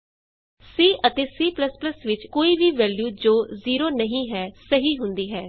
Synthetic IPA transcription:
siːʔət̪eːsiːpləspləsʋɪt͡ʃkoːiːʋiːʋɛːljuːd͡ʒoːziːɾoːnəɦĩːɦɛːsəɦiːɦʊnd̪iːɦɛː

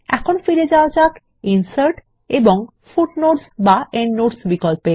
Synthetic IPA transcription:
ɛ̰kʰonfiɾed͡ʑaot͡ɕak | insəɾʈ | eboŋ | fuʈnoɾsbaenːoɖsbikolpe

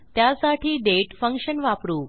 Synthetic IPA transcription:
t̪jasaʈʰiːɖeʈfəŋkʂənʋapɾuː

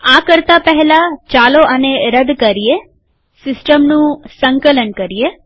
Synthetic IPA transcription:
akəɾt̪apəɦɛlat͡ʃaloʔəneɾəd̪kəɾie | sɪsʈəmnũsəŋkələnkəɾije

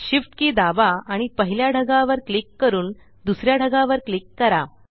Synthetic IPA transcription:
ɕifʈkiːd̪abaaɽ̃ipəɦiljaɽʱəɡaʋəɾklikːəɾuːn | d̪usɾjaɽʱəɡaʋəɾklikːəɾa

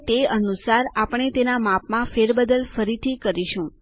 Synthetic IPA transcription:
t̪eənusaɾapəɳ̃et̪enamapmãfeɾbəd̪əlfəɾit̪ʰikəɾiʃũ

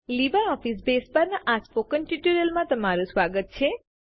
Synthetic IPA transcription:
libəɾɔfisbespəɾnaʔaspokənʈiʈuɾəlmãt̪əmaɾũsʋaɡət̪̚t͡ʃʰe

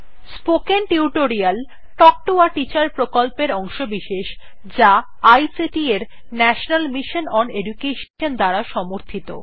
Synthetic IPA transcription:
spokenʈiuʈoɾial | ʈɔk̚ʈoaʈit͡ɕaɾpɾokolpeɾɔŋʃobiʃeʃ | d͡ʑa | ajsiʈieɾ | nɛʃonalmiʃonɔneɖukeʃ | ond̪aɾaʃɔmoɾt̪ʰit̪o̰

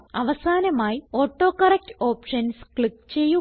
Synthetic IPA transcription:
ɐʋɐsaːnɐmaːjio̞ːʈːo̞ːkɐrek̚toːpʂɐnskɭikːt͡ɕe̞jːu

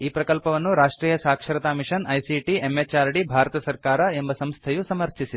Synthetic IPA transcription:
iːpɾɐkɐlpɐʋɐnːuɾaːʂʈɾiːjɐsaːkʂɐɾɐt̪aːmiʂɐnɐjsiʈiemːet͡ʃaːɾɖibʱaːɾɐt̪ɐsɐɾkaːɾɐembɐsɐmst̪ʰɐjusɐmɐɾt͡ʃisi

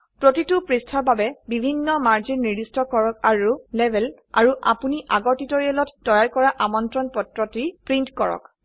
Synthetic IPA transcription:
pɹotitupɹistʰɔɹbabɛbibʱinːɔmaɹd͡ʒinːiɹdistɔkɔɹɔkaɹulɛbʱɛl | a̰ɹuʔa̰puniʔaɡɔɹtitoɹiɛlɔtːɔjaɹkɔɹaʔamɔntɹɔnpɔtɹɔtipɹintkɔɹɔ̰k

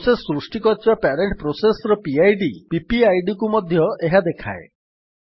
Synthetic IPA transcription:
sesɔːɾusʈikɔt̪ʰibapɛɾeɳʈpɾosesɔɾɔpiajɖipipiajɖikumɔd̪ʱjɔeɦad̪ekʰa̰e

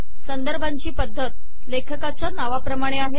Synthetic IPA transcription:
sənd̪əɾbʱaɲt͡ɕiːpəd̪ʱːət̪ | lekʰəkat͡ɕjanaʋapɾəmaɽ̃eaɦe

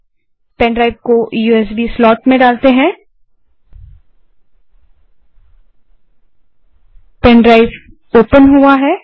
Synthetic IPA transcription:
pɛ̃ːɳɖɾaːɪbkojuːɛs̬bislɔːʈmẽɖaːlt̪eɦɛ̃ː | pɛ̃ːnɖɾaːɪf | oːpənɦuaɦɛː

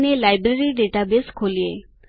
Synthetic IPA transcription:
nelajbɾeɾiɖeʈabeskʰolie

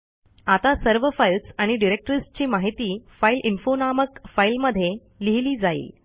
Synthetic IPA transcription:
at̪asəɾʋəfailsaɽ̃iɖiɾek̚ʈɾist͡ɕiːmaɦit̪iːfailʔinfonaməkfailməd̪ʱːje | liɦiliːd͡zaḭːl

